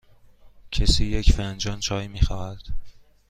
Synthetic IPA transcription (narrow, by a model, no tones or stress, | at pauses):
cʰesiːjecfænd͡ʒɒːnt͡ʃʰɒːjmiːxɒːhæd̪̥